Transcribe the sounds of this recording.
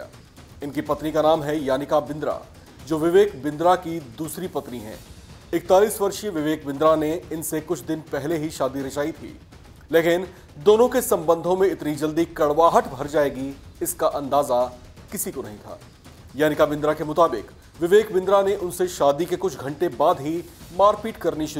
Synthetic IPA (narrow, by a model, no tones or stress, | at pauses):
a̰ː | ɪnkipɐt̪nikanaːmɦɛjaːnɪkabɪ̃nd̪ɾa̰ | d͡ʒoːʋɪʋeːkbɪ̃nd̪ɾakid̪uːsɾipɐt̪niɦɛ̰̃ːɪk̚t̪aːliːsʋɐɾʃjəʋɪʋeːk̚bɪ̃nd̪ɾaneɪnsekʊt͡ʃʰd̪ɪnpɛɦleɦiʃaːd̪iɾɐʃaːit̪ʰḭː | leːkɪn | d̪oːnõkesɐ̃mbə̃nd̪ʱõmẽɪt̪nid͡ʒɐld̪ikɐɽʋaːɦəʈʰbʱɐɾd͡ʒaːeːɡiɪskaʔɐ̃nd̪aːza | kɪsikonɐɦĩt̪ʰa̰ː | jaːnɪkabɪ̃nd̪ɾakemʊt̪aːbɪ̰k | ʋɪʋeːkbɪ̃nd̪ɾaneʔʊnseʃaːd̪ikekʊt͡ʃʰɡʱɐ̃ɳʈebaːd̪ɦimaːɾfiːʈkɐɾniʃɪ